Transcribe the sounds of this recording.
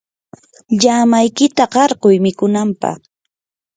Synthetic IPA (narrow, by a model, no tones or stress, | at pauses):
ʎamajkɪt̪aɢɑɾɢʊjmɪkʊnampɑ̰χ